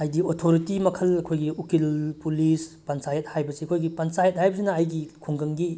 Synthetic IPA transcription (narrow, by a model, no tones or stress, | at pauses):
ɐjdiotʰoɾitimɐkʰɐlɐkʰojɡiukilpulispansajɐt̚hajbɐsiɐkʰojɡipansajɐt̚hajbɐsinɐɐjɡikʰuŋɡɐŋɡi